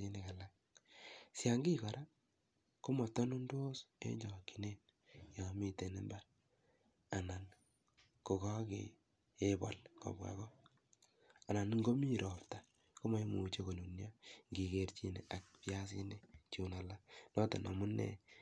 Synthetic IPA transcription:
i˦ne˦ka˨la˦k | sja˨ŋɡi˦ka˨ɾa˦ | ko˦mɔ˨tɔ˦nu˦ndwo˦sḛ˦ɲd͡ʒɔ˨ki˨ne˦n | ja˨mi˦te˨ne˦mba˦ɾ | a˨na˨n | ko˨kɔ˦kḛː˦ | bɔ̰˨lkɔ̰˨ba̰˨kɔ˦ | a˨na˨nŋɡo˦mi˦ɾɔ˨pta˨ | ko˦ma˦i˦mu˨t͡ʃe˦ko˨nu˨nja˦ŋɡi˨ke˨ɾt͡ʃi˦ne˨ʔa˨k̚pja˦s̬i˦ne˦t͡ʃu˨na˨la˦nɔ˦tɔ̰˨nɔ̰˨mu˦nḛ˨

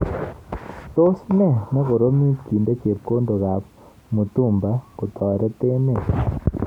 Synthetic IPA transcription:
t̪o˦snɛ˦˨nɛ˦ɣo˨ɾo˦mi˦ki˨ndo˦t͡ʃe˨p̚ko˦ndo˨ɣa˨p | mu˨t̪u˦˨mba˦ko˨t̪ɔ˨ɾɛ˦t̪e˦ne˨

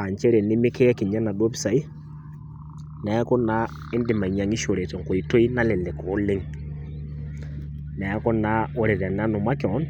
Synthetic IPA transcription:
a˨ɲt͡ʃɛ˦ɾe˨nɪ˦mɪ˦kʰe˦ki˨ɲa˦na˨dwɔ˦pi̥˦sa˨i˦ | nɛ˨˦ko˦na˦ | e˦ndɪ˨ma˨i˨ɲa˨ŋi˦ʃo˨ɾe˨t͡sɔ˨ŋko˨i˨to˦i˦na˦le˨le˨ko˨˦lɪ˦ŋ | nɛ˨˦kɔ˦na˦wo˦ɾe˨ɾa˨n˦a˦no˨ma˦kɔ˨˦n

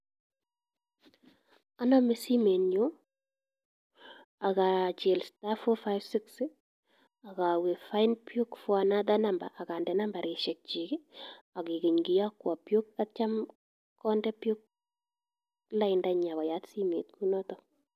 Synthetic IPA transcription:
a˦nɔ˦me˦si˦me˨nɲo˦ | a˨ka˨t͡ʃe˨lstafɔ˦faɪvsɪksɪ | a˨ka˨we˨fa˦ɪnpjo˦kfwa˨na˦da˦na˦mba̰˨ʔːka˨ndɛ˨namba˨ɾe˨ʃɛ˨k̚t͡ʃi˨ɡɪ˦a˨ɡi˨ke˨ɲɡi˨ja˦kwa˨pjo˦k̚at͡ʃa˦m | kɔ˦ndɛ˦pjo˦k̚ | la˦ɪnda˦ɲa˨ɣɔ˨ja˦tsi˦mḛ˨t̚kʰu˦nɔ˦tɔ

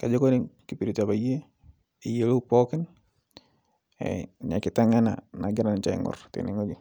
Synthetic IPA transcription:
ka˨d͡ʒe˦ko˦nɪ˦ŋki˨pi˨ɾi˨ta˨ba˨je˦ | i˨je˦lo˦pɔ˦kɪ˦n | ɛ̰ɲa˨kɪ˨ta˦ŋa˦na̰na˨ɡɪ˦ɾa˨nt͡ʃa˨ɪ̰˨ŋɔ̰˨rtḛ˨nɪ˨ŋo˦d͡ʒu

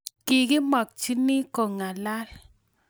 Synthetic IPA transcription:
kɪ˨ɡɪ˦mɔ˨k̚t͡ʃi˦ni˦ko˨ŋa˨la˦l

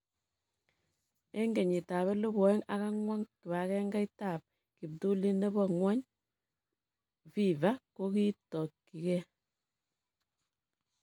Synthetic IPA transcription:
e˦ŋɡe˨ɲi˨ta˨βɛ˦lu˦bɔ˨ɛ˦ŋa˦ka˦ŋwa˦ŋkɪ˨βa˨kɛ˦ŋɡa˦i˦ta˦˨p̚ | ki˨b̚du˦li˦ne˦bɔ˦ŋwɔ˦ɲ | fi˦va˦ko˦ki˦tɔ˨kː | i˨kɛ˦

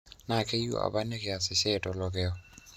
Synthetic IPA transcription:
na˨ke˦jo̰˦ʔa̰˨ba˦ne˦ke˨a˨sɪ˨sɛ˦tɔ˨lɔ˨k̬ɛɔ

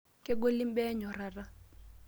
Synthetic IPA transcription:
kʼɛ˦k̬ʊ˦li˦m˦bɛ˦ɲɔ˨ra˨ra˦

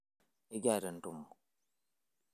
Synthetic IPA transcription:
i˦ɡa˦˨də˨n̩˨tu˨m˨

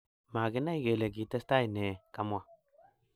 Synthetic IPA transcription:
maː˨ɡɪ˦na˦i˨ɡe˨le˨k̬i˨te˦sta˦i˨ne˨ka˦mwa˨

